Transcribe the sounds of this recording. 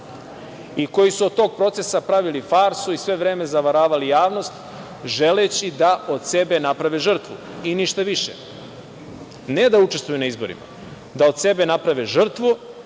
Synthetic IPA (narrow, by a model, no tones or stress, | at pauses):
iko̞jisuod̪̚t̪o̞ɡ̚pɾo̞t̪se̞sapɾaʋilifaɾsuisʋe̞ʋɾe̞ːme̞zaʋaɾaːʋalijaːʋno̞st̪ | ʒe̞let͡ɕid̪aʔo̞d̪se̞benapɾaʋeʒr̩t̪ʋu | iniʃt̪aʋiʃḛ | ne̞d̪aut͡ʃe̞st̪ujunaizbo̞̰ɾḭma̰ | d̪ao̞d̪se̞be̞napɾaʋeʒr̩t̪ʋu